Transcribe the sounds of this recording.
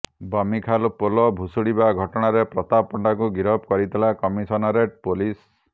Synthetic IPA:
bamikʰalpolɔbʱusuɽibaɡʱɔʈɔɽ̃aɾepɾɔt̪apɔɳɖak̬uɡiɾɔpkɔɾit̪ʰilakɔmisɔnɔɾeʈpolis

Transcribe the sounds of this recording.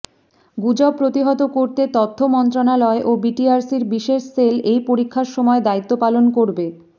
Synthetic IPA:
ɡud͡ʑɔpːɾot̪iɦɔt̪okoɾt̪et̪ɔt̪ʰːomɔnt̪ɾonalɔeʔobiʈiaɾsiɾbiʃeʃselejpoɾikʰːaɾʃɔmɔed̪ait̪ːopalonkoɾbe

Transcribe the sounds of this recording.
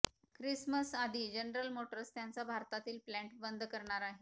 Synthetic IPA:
kɾisməsad̪ʱiːd͡ʑənɾəlmoʈəɾst̪jant͡sabʱaɾt̪at̪iːlplæ̃ɳʈbənd̪ʱkəɾɳaɾaɦe

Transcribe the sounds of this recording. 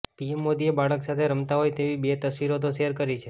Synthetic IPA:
piemːod̪iebaɭəksat̪ʰeɾəmt̪aɦojt̪eʋibet̪əsʋiɾot̪̬oʃeɦəɾkəɾit͡ʃʰe

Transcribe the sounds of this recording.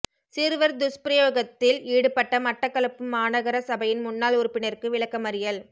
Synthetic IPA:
sɪɾɯʋɐɾd̪ʊspɪɾɐjoːɣɐt̪ːɪliːɽɯpːɐʈːɐmɐʈːɐkːɐɭɐpːɯmaːnɐɣɐɾɐsɐbɐjɪnmʊnːaːlʊɾʊpːɪnɐɾkɯʋɪɭɐkːɐmɐɾɪjɐl

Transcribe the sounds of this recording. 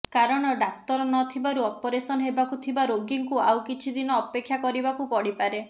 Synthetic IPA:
kaɾɔɽ̃ɔɖak̚t̪ɔɾɔnɔt̪ʰibaɾuɔpɔɾesɔnɔɦebakut̪ʰibaɾoɡiŋkuawkit͡ʃʰid̪inɔːpekʰːjakɔɾibakupɔɽipaɾe

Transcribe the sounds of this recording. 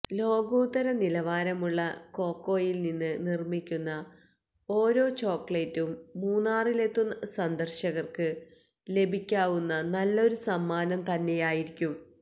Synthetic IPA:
lo̞ːɡuːt̪ːɐɾɐnilɐʋaːɾɐmuɭːɐko̞ːkːo̞ːjilninːɨnirmikʲːunːɐ | o̞ːɾo̞ːt͡ɕo̞ːkːɭetːumːuːnːaːrile̞t̪ːunːɐsɐnd̪ɐrɕɐɣɐrkɨ | le̞bʱikʲːaːʋunːɐnɐlːɐo̞ɾusɐmːaːnɐmt̪ɐnːejaːjiɾikʲːum

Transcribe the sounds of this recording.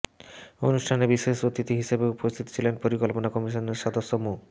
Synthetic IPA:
onuʃʈʰanebiʃeʃot̪it̪iɦiʃebeupost̪ʰit̪o̥t͡ɕʰilenpoɾikolponakɔmiʃoneɾʃɔd̪osːomu

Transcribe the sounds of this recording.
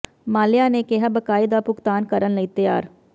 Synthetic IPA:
maːlɪjaːneːkɪɦaːbəkaːiːd̪aːpʊkt̪aːnkəɾənləiːt̪ɪja̰ːɾ

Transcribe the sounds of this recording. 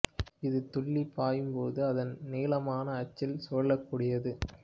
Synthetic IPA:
ɪðɯt̪ɔɭːipːaːjɯmpoːðɯɐðɐnneːlɐmaːnɐːt͡ʃːɪlsɔɭːɐkːuːɽɪjɐðɯ

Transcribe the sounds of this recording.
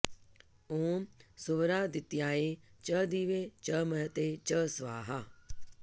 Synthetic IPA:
õːmsʊʋɾaːd̪ɪt̪ijaːet͡ʃɐd̪iːʋet͡ʃɐmɐɾət̪et͡ʃəsʋa̰ːɦa

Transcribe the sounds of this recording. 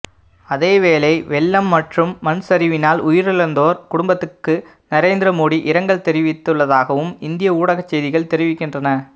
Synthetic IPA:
ɐðeːʋeːlɐɪʋɛɭːɐmːɐʈrɯmːɐnsɐɾɪʋɪnaːlʔʊjɪɾɪɭɐnd̪oːɾkʊɽʊmbɐt̪ːɯkːɯ | nɐɾeːnd̪ɪɾɐmoːɽiʔɪɾɐŋɡɐɭt̪ɛɾɪʋɪt̪ːɯɭːɐðaːɣɐʋɯmɪnd̪ɪjɐuːɽɐɣɐt͡ʃːɛjðɪɣɐɭt̪ɛɾɪʋɪkːɪndrɐnɐ

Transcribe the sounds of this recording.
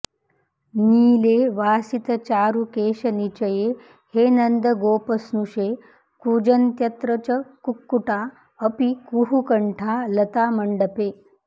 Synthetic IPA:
niːleːʋaːsit̪ɐt͡ʃaːɾukeːʃɐnit͡ʃɐje | heːnɐnd̪əɡoːpəsnuʃe | kuːd͡ʒɐnt̪jɐt̪ɾɐt͡ʃɐkukːuʈa | əpikuɦukɐɳʈʰalɐt̪aːmɐɳɖɐpeː

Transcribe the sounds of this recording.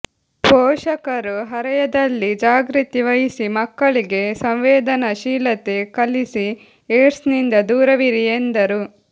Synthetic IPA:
bɔːʃɐkɐɾuɦɐɾɐjɐd̪ɐlːid͡ʒaːɡɾit̪iʋɐjisimɐkːɐɭiɡe̞sɐmʋeːd̪ɐnɐʃiːlɐt̪e̞kɐlisi | eːsnind̪ɐd̪uːɾɐʋiɾijend̪ɐɾu

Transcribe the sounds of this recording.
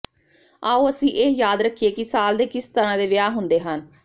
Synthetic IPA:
aːoːəsĩːʔeːjaːd̪ɾəkʰːieːkɪsaːld̪eːkɪst̪əɾãːd̪eːʋɪjaːɦʊnd̪eːɦən

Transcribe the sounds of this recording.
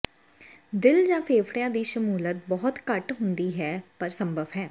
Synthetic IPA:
d̪ɪld͡ʒãːpʰeːpʰɽɪjãːd̪iːʃəmuːlət̪̚bɔːʊt̪kəʈɦʊnd̪iːɦɛːpəɾsəmbəʋɦɛː

